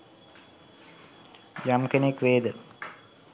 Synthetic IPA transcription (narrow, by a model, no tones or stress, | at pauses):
d͡ʒamkenekʋeːd̪ə